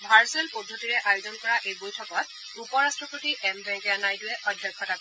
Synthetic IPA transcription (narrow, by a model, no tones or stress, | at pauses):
bʱaɹsɛlpodʱːotiɹɛʔajuzɔnkɔɹaʔejbojtʰɔkɔt̚ | upɔɹastɹɔpotiʔɛmbɛ̃ŋkɛanajdʊɛʔɔdʱjɔkʰːɔtak